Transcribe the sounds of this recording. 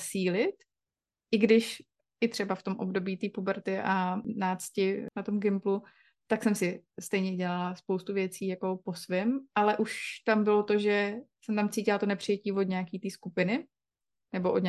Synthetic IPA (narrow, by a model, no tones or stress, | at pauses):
siːlɪt̪ | ʔɪɡdɪʃ | ʔɪt̪r̝̥ɛbaft̪o̞mʔo̞bdo̞biːt̪iːpubɛɾt̪ɪʔanaːt͡scɪnat̪omɡɪmplu | t̪aksɛmsɪst̪ɛjɲɛɟɛlalaspowst̪uvjɛt͡siːjako̞po̞svɛmʔalɛʔuʃt̪ambɪlo̞t̪o̞ʒɛsɛmt̪amt͡siːcɪlat̪onɛpr̥ɪjɛciːvod̪ɲɛakiːt̪iːskupɪnɪ | nɛbo̞ʔod̪ɲ